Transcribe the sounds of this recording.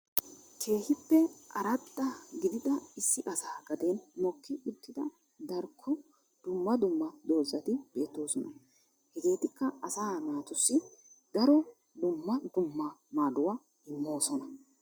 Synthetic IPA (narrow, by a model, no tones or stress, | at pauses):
kʰe̞ːhɪpːɛʔɐ̰ɾɐd̪ːɐɡɪd̪ɪd̪ɐɪsːɪʔɐsaːɡɐd̪enmɔkːɪʊt̪ːɪd̪ɐ | d̪ɐɾkʰːʊ | d̪̥ʊmːɐd̪ʊmːɐd̪o̞ːzɐt̪ɪb̥e̞ːt̪ːo̞ːsɔnɐ̰ | hɛɡe̞ːt̪ɪkːɐɐsaːnaːt̪ʊsːɪd̪̥ɐɾɔ | d̪ʊmːɐd̪ʊmːɐmaːd̪ʊwa | ɪmːo̞ːsɔnɐ